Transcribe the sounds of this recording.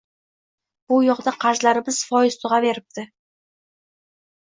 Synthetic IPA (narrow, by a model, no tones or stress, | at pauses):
b̥ʊjoqd̪əqʰɑʒlˠɑɾəbɪz̥fʰojəst̪uʁɑbe̞ɾɪp̚t̪ɪ